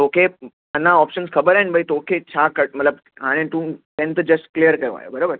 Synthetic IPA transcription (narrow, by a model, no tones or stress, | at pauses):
okʰe | ənːaɔpɕənskʰəbəɾẽʈbʱajt̪ookʰet͡ɕʰakəʈ̚mət̪lab̚ | ɦañẽt̪ũːt̪ɛ̃nt̪əd͡ʒəsʈ̚klijəɾkəɾṵ̃a̰j̰bəɾobəɾ